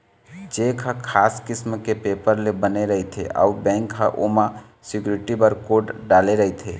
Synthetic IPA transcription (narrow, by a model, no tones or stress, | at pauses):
d͡ʒeːkʰakʰaːskɪsmkepeːpəɾlebəneɾɐɦet̪ʰḛʔa̰ubɛ̃ːŋkɦaʔoːmã | sɪkjuːɾɪʈibəɾkoːʈɖaːleɾəɦet̪ʰeː